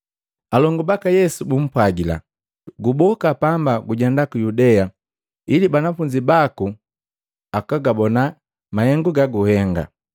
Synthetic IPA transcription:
alɔŋɡubakajɛsubum̩pwaɡila̰ | ɡubɔkapambaɡuɟɛndakujudɛja | ilibanafuɲd͡ʒibaku | akaɡabɔna | mahɛŋɡuɡaɡuhɛŋɡa̰

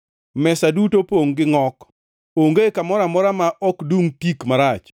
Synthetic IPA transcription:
mɛsadutopoŋɡɪŋɔk | oŋɡekamɔɾamɔɾamaʔɔkduŋtikmaɾat͡ʃ

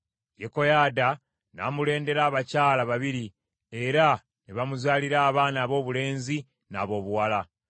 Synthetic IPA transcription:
jeko̞jaːda | na̰mule̞ːnde̞ɾaːβacaːlaβaβiɾi | e̞ɾa | niβamuzaːliɾaːβaːnaːβo̞ːβule̞ːnzi | na̰ːβo̞ːβuwala

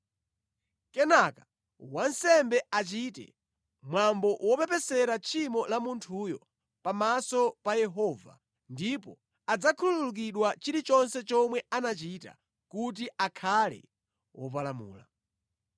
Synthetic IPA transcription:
kɛnaka | wansɛmbɛat͡ʃitɛ̰ | mwambɔwɔpɛpɛsɛɾat͡ʃʰimɔlamuntʰuːjɔ | pamasɔpajɛɦɔːva̰ | ndipɔ | ad͡zakʰululuk̬iɗwat͡ʃiɾit͡ʃɔnsɛt͡ʃɔmwɛanat͡ʃita̰ | kut̬iakʰalɛ̰ | wɔp̬alamṵːla̰

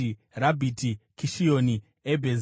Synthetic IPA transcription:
i | rabʱitikiʃijoni | ebʱez

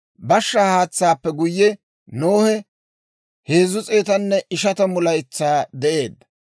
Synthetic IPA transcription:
bɐʃːɐhaːt͡sːaːpːɛɡʊjːɛ | noːhɛ | heːzʊt͡sʼeːt̪ɐnːɛʔɪʃɐt̪ɐmʊlɐjt͡sːaːd̪ɛʔe̞ːd̪ɐ

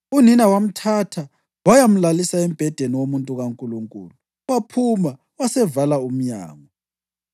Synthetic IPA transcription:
uninawam̩tʰatʰa | wajam̩lalisaɛm̩b̥ʱɛd̥ʱeniwomuntʼuɣaŋkʼuluŋkʼṵːluu | wapʰuma | wasɛvalaum̩ɲa̰ːŋɔ

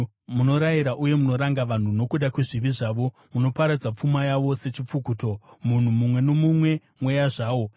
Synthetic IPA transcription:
muno̞ɾajiɾaʔuje̞muno̞ɾaŋɡaʋan̤uno̞kuɗakweʐiʋiʐaːʋo̞ | muno̞paɾad͡zap͡fumajaʋo̞se̞t͡ʃip͡fukuːto̞mun̤umumwe̞nomumwe̞ | mwejaʐaːwo̞

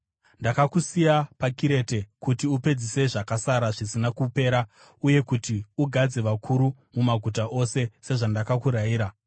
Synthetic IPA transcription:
ndakakusijapakiɾe̞te̞kutiupe̞d͡zise̞ʐakasaɾaʐisinakupe̞ːɾa | uje̞kutiuɡʱad͡ze̞ʋakʰuɾu | mumaɡʱutaʔo̞se̞se̞ʐandakakuɾaiːɾa

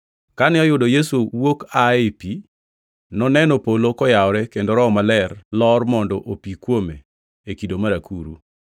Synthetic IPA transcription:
kanɪɔjʊdɔjesuwokaepi | nɔnɛnɔpolokɔjaɔɾɛkendoɾɔmalɛrlɔrmɔndɔʔopikwomḛ | ekidomaɾakṵɾṵ

